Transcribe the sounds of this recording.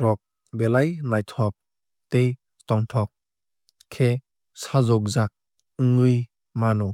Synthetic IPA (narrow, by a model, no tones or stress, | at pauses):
tɔk̚ | belajnajtʰɔp̚ | tej | tɔŋtʰɔk̚ | kʰe | sazɔk̚zak̚ | ɯŋɯj | manɔ